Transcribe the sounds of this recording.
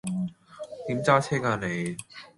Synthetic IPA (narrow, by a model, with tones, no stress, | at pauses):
t̪iː˨˥mt͡saː˥t͡sʰɛː˥kaː˧ne˨˧j